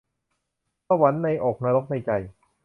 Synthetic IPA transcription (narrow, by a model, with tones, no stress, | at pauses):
aː˥˧˩wa˨˦˥nːa˧jʔoː˨˩k̚na˧ɾo˦˥k̚na˧jt͡ɕa˧j